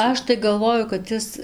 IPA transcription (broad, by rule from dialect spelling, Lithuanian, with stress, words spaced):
ˈɐʃ tɐɪ ɡɐlˠˈʋoːjʊ kɐt ˈɪs